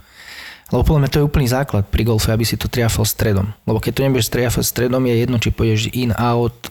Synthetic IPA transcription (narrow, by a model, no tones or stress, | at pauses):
lɛbɔpɔd̪lamɲat̪ɔjɛuːpl̩niːzaːklat̪̚pɾiɡɔlfɛabisit̪ɔt̪ɾɪafalst̪ɾɛd̪ɔ̰mlɛbɔkɛc̚t̪ɔɲɛbuʊɛʃst̪ɾɪafa̰cst̪ɾɛd̪ɔmjɛjɛd̪nɔt͡ʃipɔɟɛʒʔinaʊt̪